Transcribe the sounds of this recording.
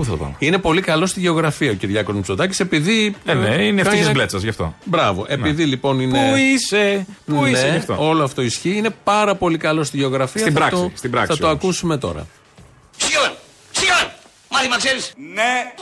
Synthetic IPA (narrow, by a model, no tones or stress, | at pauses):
uθɐt̪opɐ̰mine̞po̞likɐlo̞st̪iʝe̞oɣɾɐfiɐociɾʝɐko̞zmusod̪ɐcise̞piðieneineiizblet͡sɐzʝɐft̪o̞̰bɾɐvoʔe̞piðilipo̞nineuiseninseɐft̪o̰o̞loɐft̪o̞isçiine̞pɐɾɐpo̞likɐlo̞st̪iʝe̞oɣɾɐfiɐibɾɐkt̪sost̪ibɾɐ̰kθɐt̪oɐkusume̞t̪o̞̰ɾɐ̰ | sjon | sjon | mɐðimɐkseɾisne